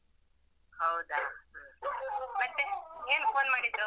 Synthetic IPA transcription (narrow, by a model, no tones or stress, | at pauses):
hɐwd̪a | mɐʈːeeːnfoːnmaːɽid̪ɾu